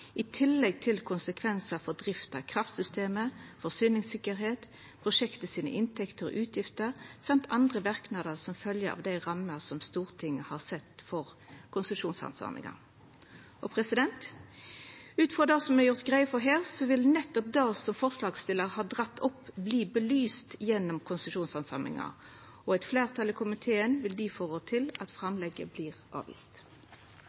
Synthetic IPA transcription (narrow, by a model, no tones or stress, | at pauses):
ɪt̪ʰɪlːɛɡ̚t̪ʰɪlkʰʊnsəkʰʋɛnsəfɔʁd̪ʁɪft̪ɑkʰʁɑft̪sʏst̪eːməfɔsyːnɪŋsɪkːəɾɦeːt̪ | pʰʁʊʂɛkt̪əsiːnə̰ʔɪnt̪ʰɛkt̪əʁɔ̰ʔʉːt̪ʰjɪft̪əʁsɑmt̪ʰɑnd̪ʁəʋæʁknɑd̪əʁsɔmfœljəɑ̰ʋd̪æɪʁɑmːəʁsɔmst̪uːʁt̪ʰɪŋːəhɑʁsɛt̪fɔʁ | kʰʊnsəʂuːnsɑ̰nsɑ̰ːʁnɪ̰ŋɑ̰n | ʔɔpʰʁɛsɪd̪ɛnt̪ | ʉːt̪fʁɑd̪ɑːsɔmɛɾjʊʁt̪ɡʁæɪəfɔɾɦeːʁsɔʋɪlnɛt̪ːɔp̚d̪ɑːsɔmfɔʁslɑːɡst̪ɪləʁhɑːd̪ʁɑt̪ːɔpːbliːbəlyːst̪jɛnːɔmkʰʊnsəʃuːnsɑnsɑmɪ̰ŋɑ̰ | ɔɛɪt̪fleːʁt̪ʰɑlɪkʰʊmɪt̪ʰeːənʋɪld̪ɪːfoːʁot̪ʰɪlɑt̪fʁɑmlɛɡəbliːʁʔɑ̰ːʋḭːst̪